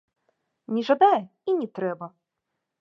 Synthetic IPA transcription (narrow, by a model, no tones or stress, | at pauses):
nʲɛʐad̪ajɛinʲɛt̪ɾɛbɐ